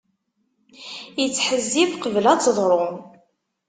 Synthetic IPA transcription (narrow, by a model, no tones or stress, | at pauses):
jət͡sːħəzːivqəvəlæt͡sːðˤɾˤʊ